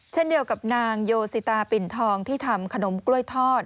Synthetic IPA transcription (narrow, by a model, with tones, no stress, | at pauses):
t͡ɕʰe˥˩ndi˧əwka˨˩p̚naː˧ŋjoː˧si˨˦t̪aː˧pi˨˩nt̪ʰɔː˧ŋt̪ʰiː˥˩t̪ʰa˧mkʰa˧no˩˦mklu˥˩əjt̪ʰɔː˥˩t̪̚